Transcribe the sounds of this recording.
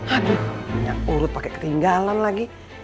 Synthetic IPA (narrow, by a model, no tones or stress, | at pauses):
aduhɲa̰ŋuɾʊt̪̚pakɛkə̥t̪iŋɡalanlaɡi